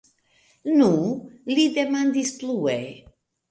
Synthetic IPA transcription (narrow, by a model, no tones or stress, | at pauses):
nulid̪emãnd̪isplue